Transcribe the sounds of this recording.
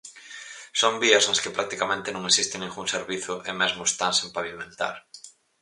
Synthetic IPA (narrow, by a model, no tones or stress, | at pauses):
sombiasaskepɾak̚t̪ikamẽnt̪enõŋesist̪enẽŋɡuŋseɾβiθʊʔemezmʊest̪ansẽmpaβimẽnt̪a̰ɾ